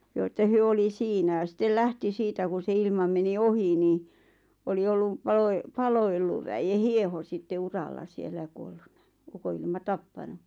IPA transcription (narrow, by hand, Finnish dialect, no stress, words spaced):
joː ĕtːæ hyø oli siːnæ jɑ sitːel læhti siːtæ ku se ilmɑ meni ohi ni oli olːu pɑloe pɑloelːuʋ ʋæje hieho sitːe urɑlːɑ sielːæ j̆ɑ̆ kuolːunːɑ ukoilmɑ tɑpːɑnu